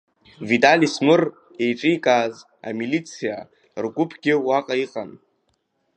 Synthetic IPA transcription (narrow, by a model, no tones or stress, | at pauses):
vitʼalismɨr | ejfʼɪjkʼaz | a̰milit͡sʰija | rɡʷʼʊpʰɡʲɪwaqʼaiqʼan